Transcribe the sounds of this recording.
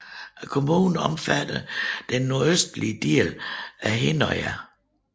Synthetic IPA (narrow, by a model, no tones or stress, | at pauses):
ækʰo̝muːnn̩ɒ̽mfæd̥əd̥enːo̝ɐøsd̥liəd̥ḛːlæɦenɒɪæ